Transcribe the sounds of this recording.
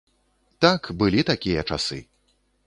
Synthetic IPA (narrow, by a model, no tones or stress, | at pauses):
t̪akbɨlʲit̪akʲijɐt͡ʂa̰sɨ̰